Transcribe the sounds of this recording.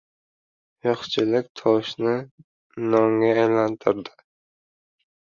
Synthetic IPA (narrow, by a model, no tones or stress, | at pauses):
jɒχt͡ʃʰɪlɪkʲt̪ʰɒʃnɪ | nɒŋɡʲaːjlant̪ʰɪɾd̪ɪ̥